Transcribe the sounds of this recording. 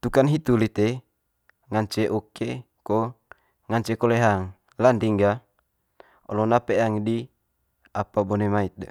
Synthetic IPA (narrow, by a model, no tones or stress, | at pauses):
t̪ukanɦit̪ulit̪e | ŋaɲt͡ʃeʔɔke | ko | ŋaɲt͡ʃekɔleɦaŋ | land̪iŋɡa | ɔ̰lonapeaŋidi | apabɔnemait̪̚da̰